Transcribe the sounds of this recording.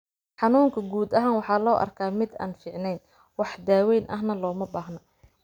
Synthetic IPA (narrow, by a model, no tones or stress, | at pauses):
ħɑnuːŋkʰɐɡuːd̪ɐɦaːnwɑħɑːlɔːʔɐ̰rkʰaːmɪd̪a̰ːnfɪːʕnɛjn | wɑħd̪aːwɛjnʔɐ̰ɦnɐlɔːmɐbaːɦnɔ